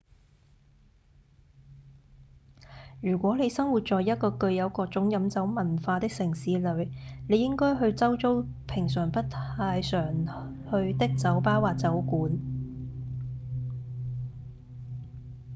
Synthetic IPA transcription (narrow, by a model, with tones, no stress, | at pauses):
jyː˨˩kʷɔː˨˥ne˨˧jsɐ˥ŋwuː˨t̚t͡ʃɔː˨jɐ˥t̚kɔː˧kɵ˧ɥjɐ˨˧wkɔː˧k̚t͡sʊ˨˥ŋjɐ˨˧mt͡sɐ˨˥wmɐ˨˩nfaː˧t̪ɪ˥k̚sɪ˨˩ŋsiː˨˧lɵ˨˧˥ɥne˨˧jɪ˥ŋkɔː˥jɦɵ˧ɥt͡sɐ˥wt͡so˥w | pʰɪ˨˩ŋs̬œː˨˩ŋpɐ˥t̚t̪ʰaː˧jsœː˨˩ŋ | hɵ˧ɥt̪ɪ˥k̚t͡sɐ˨˥wpaː˥waː˨˩t͡sɐ˨˥wkuː˨˥n